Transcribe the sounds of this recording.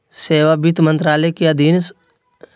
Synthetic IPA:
seːʋabit̪mə̃nt̪ɾaːlɛkeɐd̪ʱiːn

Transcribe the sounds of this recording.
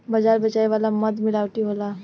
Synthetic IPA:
bɐd͡ʒaːɾbət͡ʃaːiʋaːlaməd̪mɪlaːʋʈ̪iɦola

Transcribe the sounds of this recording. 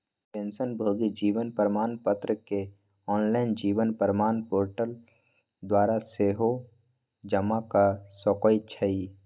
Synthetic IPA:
pẽːnsənbʱoːɡid͡ʒiːʋənpəɾmaːnpət̪ɾəke | ɔːnlaɪnd͡ʒiːʋənpəɾmaːnpoːɾʈəl | d̪waːɾaseːɦo | d͡ʒəmakasɔkojt͡ʃʰəi

